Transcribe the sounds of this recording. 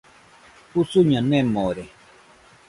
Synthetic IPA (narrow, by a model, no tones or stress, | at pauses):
usuɲɔ̃nːɛmɔɾɛ